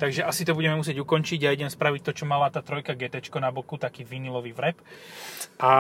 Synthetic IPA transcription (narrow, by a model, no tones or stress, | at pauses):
t̪aɡʒɛʔasit̪ɔbuɟɛmɛmusɪɛɟukɔnt͡ʃiɟajɛd̪ɛnspɾaʋic̚t̪ɔt͡ʃɔmalat̪aːt̪ɾɔjkaɡɛt̪ɛt͡ʃkɔnabɔkut̪akiːʋinilɔʋiːʋɾɛp | a